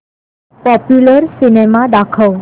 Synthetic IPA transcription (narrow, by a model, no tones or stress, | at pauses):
pɔpjuləɾsinemad̪akʰəʋ